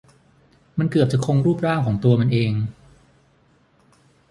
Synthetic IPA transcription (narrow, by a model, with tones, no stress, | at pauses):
ma˧nkɯ˨˩əp̚t͡ɕa˨˩kʰo˧ŋɾuː˥˩p̚ɾaː˥˩ŋkʰɔː˩˦ŋt̪u˧ɐma˧nʔeː˧ŋ